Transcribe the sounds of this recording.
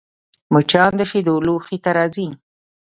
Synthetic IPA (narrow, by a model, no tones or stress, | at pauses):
mʊt͡ʃɑːnd̪əʃid̪oluxit̪aɾɑzi